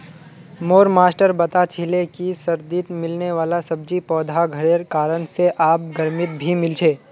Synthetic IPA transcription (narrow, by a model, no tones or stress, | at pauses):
moːɾmaːsʈəɾbɐt̪at͡ʃʰɪlekisɐɾd̪iːt̪mɪlneʋaːlasɐb̚d͡ʒipɔːd̪ʱaɡʱɐɾeɾkaːɾənseʔaːp̚ɡɐɾmɪt̪̚bʱimɪlt͡ʃʰeː